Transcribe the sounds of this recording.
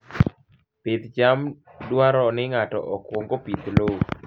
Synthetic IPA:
pɪd̪d͡ʒam | dwaɾɔnɪŋatɔ̰ʔɔkwɔŋɡopid̪lo

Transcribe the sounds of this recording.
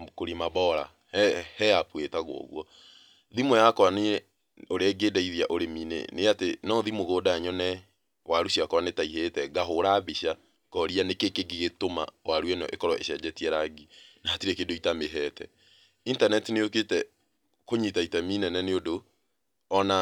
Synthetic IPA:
koɾimaβɔɾa̰ | hɛapwetaɣo̰ɔ̰ɣwɔ | ðimojakɔane | oɾeɛɡeːdaiðiaʔoɾemiːnɛ̰neatenɔðimoɣoːdaɲɔnɛ | waɾuɕiakɔɾanetaiɦetɛɡaɦoɾaːβiɕa | ɡɔɾianekekeɡeɣetoma̰waɾwɛnɔ̰ʔḛkɔɾɔḛɕɛd͡ʑɛtiɛɾaɡinatiɾɛkedoitameɦɛtʰɛ̰ | intanɛtineoketɛ | koɲitaitaminɛnɛneodo | ɔna

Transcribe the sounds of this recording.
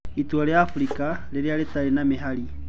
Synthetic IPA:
itualeafuɾikʼaleɾealetʼalenamɪɦali

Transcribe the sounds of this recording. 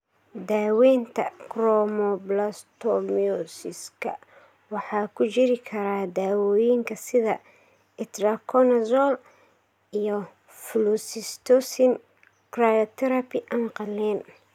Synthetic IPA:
d̪aːwɛːnt̪ʰɐ̰krɔmɔblɐst̪ʰɔmiɔsɪskʰɐ̰ | wɑħɑːkʰʊt͡ʃɪɾɪkʰɐɾaːd̪aːwɔːjɪŋkʰɐsɪðɐ | ɛt̪rɐkʰɔnɐsɔl | ijɔ | flusɪst̪ɔsɪn | krajɔt̪ʰɛɾɐpʰɪʔɐnqɑlːɛːn

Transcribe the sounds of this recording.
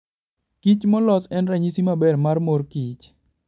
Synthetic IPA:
kit͡ʃmɔlɔsɛnɾaɲisimabɛrmarmorkit͡ʃ

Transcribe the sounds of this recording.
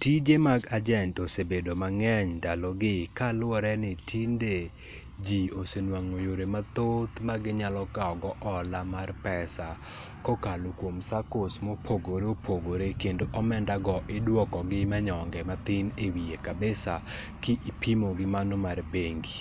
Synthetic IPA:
tid͡ʒemaɡad͡ʒɛntosebedomaŋɛɲdalɔɡɪkalʊɔɾɛnɪtʰinde | d͡ʒiosenwaŋojoɾemat̪ot̪maɡɪɲalɔkaɔɡɔʔɔlamarpɛsa | kɔkalokwomsakosmopʰoɡoɾeopʰoɡoɾekendoʔɔmɛndaɡɔʔɪdwɔkɔɡɪmaɲɔŋɡɛmat̪ɪnewiekabesa | kɪʔipʰimoɡɪmanomarbeŋɡi

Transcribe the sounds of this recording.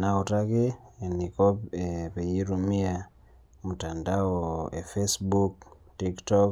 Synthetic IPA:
naotakɪenikɔpepejiɾumia | mutandaɔefesbuk̚ | tiktɔk

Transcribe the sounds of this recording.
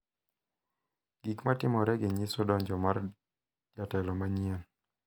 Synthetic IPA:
ɡ̥ikmatɪmɔɾɛɡeɲisɔdɔɲd͡ʒɔmar | d͡ʒatɛlɔmaɲien

